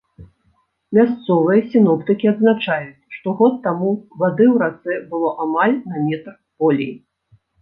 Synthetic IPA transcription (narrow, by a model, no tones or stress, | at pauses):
mʲast̪sɔvɨjɐsʲinɔpt̪ɨkʲiad̪znat͡ʂajut͡sʲʂt̪ɔɣɔt̪ːamuvad̪ɨwɾat̪sɛbɨlˠɔʔamalʲnamʲɛt̪r | pɔlʲij